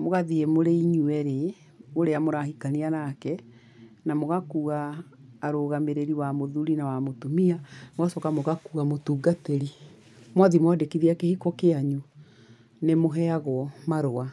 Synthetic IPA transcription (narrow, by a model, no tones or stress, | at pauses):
moɣaðiemoɾeiɲuɛɾe | oɾeamoɾahikanianakɛ | namoɣakuːɣaː | ɾoɣameɾeɾiwamoðuɾinawamotomiamoɣasɔkamoɣakuɣamotuːɡateɾi | mwaðimwadekiðiakehikɔkeaɲu | nemoɦɛaɣɔmaɾoa